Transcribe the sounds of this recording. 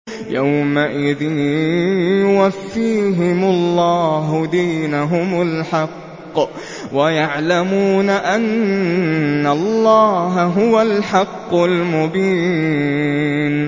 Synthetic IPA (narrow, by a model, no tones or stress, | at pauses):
jawmaʔɪðɪnjjʊwafːiːɦɪmʊlˤːɑːɦʊd̪iːnaɦʊmʊlħɑqː | wajaʕlamuːnaʔanː | alˤːɑːɦaɦʊwalħɑqːʊlmʊbiː | n